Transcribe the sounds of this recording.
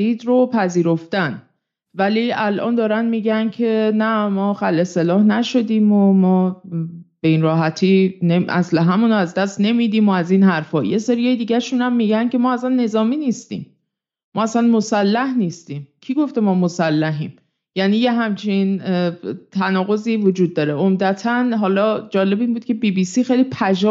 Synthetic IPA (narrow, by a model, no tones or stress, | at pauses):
iːd̪ropʰæziːɾo̞ft̪æn | væliːælʔɒ̰ːnd̪ɒːɾænd̪miːɟæncʰe̞næmɒːxælʔe̞se̞lɒːhnæʃo̞d̪iːmomɒː | b̥e̞iːnrɒːɦæt̪ʰiːneæ̰sleɦæmuːnæzd̪æst̪ne̞miːd̪iːmoæziːnhæɾfɒːjeseɾijɒːjed̪iːɟæʃuːnhæmːiːɟæncʰe̞mɒːæsænːe̞zɒːmiːniːst̪ḭːm | mːɒ̰ːæsænmo̞sælːæhniːst̪iːmcʰiɡo̞ft̪e̞mɒːmo̞sælːæɦḭːm | jæniːjeɦæmt͡ʃʰin | t̪ʰænɒːɣo̞ziːvod͡ʒuːd̪̚ːɒːɾe̞omd̪æt̪ʰænɦɒːlɒːd͡ʒɒːle̞biːnbuːd̪̥̚cʲʰe̞biːbiːsiːxejlipʰæd͡ʒɒː